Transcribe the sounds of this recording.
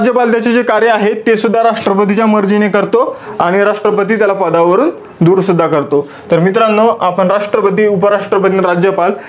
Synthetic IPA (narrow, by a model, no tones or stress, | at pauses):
d͡ʑjəpalt̪jat͡ɕed͡zekaɾjəaɦet̪ːesud̪ʱːaɾaʂʈɾəpət̪it͡ɕjaməɾd͡ʑinekəɾt̪oaɽ̃iɾaʂʈɾəpət̪̬iːt̪jalapəd̪aʋəɾuːn | d̪uːɾsud̪ʱːakəɾt̪o | t̪əɾmit̪ɾãnːoʔapəɳɾaʂʈɾəpət̪̬iːupəɾaʂʈɾəpət̪iːnɾad͡ʑjəpal